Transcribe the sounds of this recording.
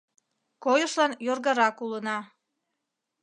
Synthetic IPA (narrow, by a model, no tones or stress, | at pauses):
kojəʃlɑnjorɣɑɾɑkulənɑ